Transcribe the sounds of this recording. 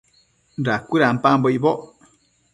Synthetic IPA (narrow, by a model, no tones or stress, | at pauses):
n̩dakuɾam̩pambɔibɔʔ